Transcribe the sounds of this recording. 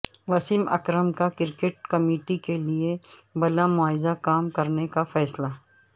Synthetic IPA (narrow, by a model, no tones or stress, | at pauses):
ʋɐsimɐ̰kɾəmkakɪɾkeʈ̚kɐmiːʈikeliebɐlamʊaːɪzakaːmkɐɾnekafɛːsla